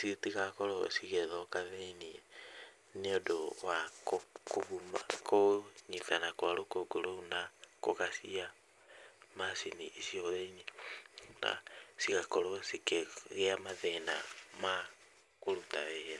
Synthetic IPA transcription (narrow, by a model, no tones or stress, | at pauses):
sitiɣakɔɾosiɣɛðɔkaðeniɛ | neodowakokoβumakʰoɲiθanakwaɾokoɡoɾonakoɣasia | masiniʔesiɔðeini | na̰siɣakɔɾɔsikeɣɛamaðɛna̰ma | koɾutaɛɛ